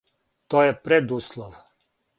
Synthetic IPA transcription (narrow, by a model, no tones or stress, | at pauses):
t̪ojɛpɾed̪uslˠɔʋ